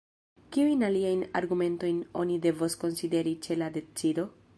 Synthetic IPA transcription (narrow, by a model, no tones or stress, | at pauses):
kiujnaliajna̰ɾɡume̞nto̞jno̞̰nide̞vosko̞nside̞ɾit͡ʃe̞lade̞t͡sido̞